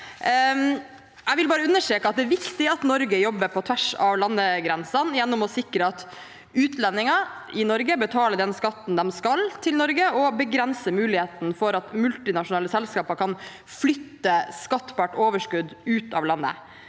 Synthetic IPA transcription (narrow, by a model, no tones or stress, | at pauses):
ɛʋɪlbɑːɾəʉnːəʂʈeːkəɑt̪̚d̪ɛæʋɪkt̪ɪɑt̪nɔɾɡəjɔbːəɾpʰɔt̪ʰʋæʂɑʋlɑnːəɡɾɛnsɑnjɛnːɔmɔsɪkɾəɑt̪ | ʉːt̪lɛnːɪŋɑ | ɪnɔɾɡəbət̪ʰɑːləd̪ɛnskɑt̪ːn̩d̪ɛmskɑlt̪ʰɪlnɔɾɡəɔbəɡɾɛnsəmʉːlɪheːt̪n̩fɔɾɑt̪mʉlt̪ɪnɑʂʊnɑːləsɛlskɑːpəkʰɑn | flʏt̪ːəskɑt̪ːpɑʈoːʋəʂkʉd̪ʉːt̪ɑ̰ːʋlɑnːə̰